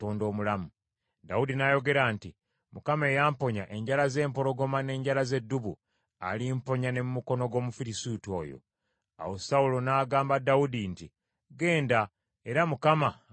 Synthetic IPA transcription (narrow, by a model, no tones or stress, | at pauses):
toːndo̞ːmulamu | daudinajo̞ɡe̞ɾanti | mukame̞ːjaːmpo̞ɲa̰ʔe̞ɲɟalaze̞ːmpo̞ɾo̞ɡo̞mane̞ːɲɟalaze̞dːuβṵ | a̰limpo̞ɲane̞mumuko̞no̞ɡo̞ːmufiɾisuto̰ːjo̰ | a̰wosaulo̞naːɡaːmbadaudinti | ɡe̞ːnda | e̞ɾamukama